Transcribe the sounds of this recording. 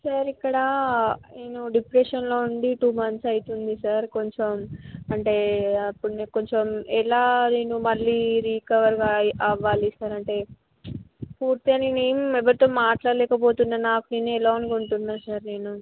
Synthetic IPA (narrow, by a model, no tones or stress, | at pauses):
sɐɾikːɐɽɐneːnuɖipɾeːʂɐnlo̞ːuɳɖiʈuːmɐnsɐjit̪und̪isɐɾko̞ɲt͡ʃomɐɳʈe̞ːɐpːuɽneko̞ɲt͡ʃomɛlaːneːnumɐlːiːɾiːkɐʋɐɾɡaːɐʋːaːlisaːɾɐɳʈe̞ː | puːɾt̪iɐnineːmuɛʋɐɾit̪o̞ːmaːʈlaːɾlɛːkɐpoːt̪unːaːnaːkuneːnuɛlaːunkuɳʈunːaːnsɐɾne̞ːnu